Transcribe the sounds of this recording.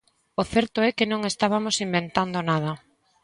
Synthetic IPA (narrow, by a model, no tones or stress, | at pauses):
oθɛɾt̪oɛkɪnõŋest̪aβamosimbent̪and̪onað̞ɐ